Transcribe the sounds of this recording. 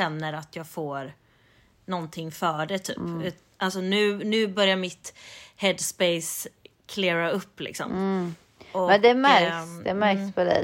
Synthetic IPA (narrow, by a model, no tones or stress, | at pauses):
ɛnːəɾat̪jɑːɡfoːɾ | nɔnt̪ʰɪŋːfœːɖɛt̪ʰy̰ːpːt̪ | ʔalsɔnʉ̟ːnʉ̟ːbœɾjaɾmɪt̪hɛd̪spɛɪskʰleːɾaɵpːlɪ̰ksɔ̰m | ʔɔɛd̪ɛmæɾd̪ɛmæɾkspʰɔd̪ɛ̰